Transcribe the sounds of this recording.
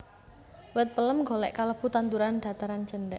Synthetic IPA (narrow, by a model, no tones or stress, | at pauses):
wət̪̚pələmŋɡo̤lɛ̰ʔkaləput̪ant̪uɾand̪̥ä̤t̪aɾant͡ʃənd̪ɛʔ